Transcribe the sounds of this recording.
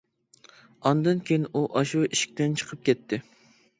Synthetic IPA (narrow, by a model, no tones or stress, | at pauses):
ɑnd̪ɨnkʲejɪnʔuʔɑʃuiʃi̥k̚ʲt̪ɛnt͡ʃʰəqʰəp̚kʲɛt̪ʰːɪ